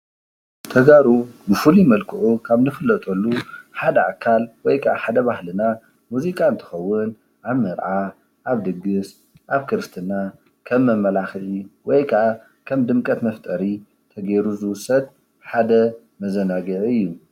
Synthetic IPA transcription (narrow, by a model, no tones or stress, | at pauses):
t̪ʰɐɡaɾubɨfɨlimɐlkʰɨʔukʰaβnɨfɨlːɐt̪ʼʰolːuħad̪ɐa̰kʰːalwɔjkʰa̰ħad̪ɐβahlɨna | muzikʼant̪ʰɨ̥xɐwːʊn | ʔaβmɐɾʕa | ʔaβd̪ɨɡːɨs | ʔaβkʰɨɾɨst̪ʰɨna | kʰɐmːɐmːɐlaxʕiwɔjkʰaʕa | kʰɐmd̪ɨmkʼɐt̪mɐft̪ʼɐɾi | t̪ʰɐɡeɾuzɨwʊsːɐd̪̚ | ħad̪ɐ | mɐzɐnaɡɨʕɨjːu